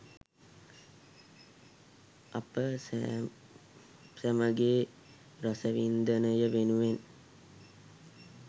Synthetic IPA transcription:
apə | sæməɡeː | ɾosəʋind̪ənəjəʋenuʋen

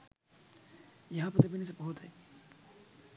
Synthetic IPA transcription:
jɐɦãpɐɾt̪ɐbʱinis̬ebɔɦʊt̪ɦɛː

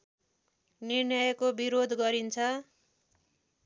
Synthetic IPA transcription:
nirnjʌjʌkobiɾod̪ʱɡʌɾint͡sʰʌ

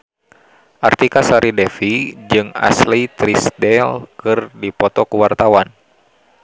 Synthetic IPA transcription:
ʔart̪ikasaɾidɛfid͡ʒɨŋa̰slit̪ɾisdɛlkɨrdipɔt̪ɔkuwart̪awan

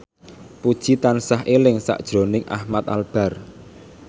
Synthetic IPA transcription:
pud̥ʒ̥it̪ansaɦʔelɪŋsa̰ʔd̥ʒ̥ɾo̤nɪŋʔa̰hmat̪̚alb̥a̤r

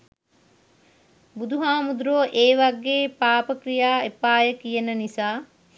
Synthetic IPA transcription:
bud̪ʱuɦaːmud̪ɾoːʔeːʋaɡːeːpaːpəkɾijaːepaːjəkijenənisaː

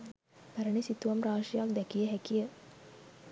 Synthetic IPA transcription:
pæɾənisit̪uʋamraːʂijak̚d̪ɛkijəɦækijə

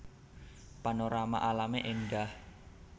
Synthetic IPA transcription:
panoɾama̰ʔalameʔenɖah

